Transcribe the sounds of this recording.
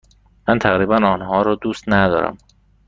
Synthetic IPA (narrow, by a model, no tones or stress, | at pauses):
mænt̪ʰæɣɾiːbænɒːnhɒːɾɒːd̪uːst̪næd̪ɒ̰ːɾæ̰m